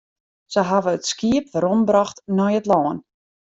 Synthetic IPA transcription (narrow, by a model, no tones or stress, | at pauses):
səɦaʋəətskiəpfəɾɔmbrɔxtnɔjətlɔːən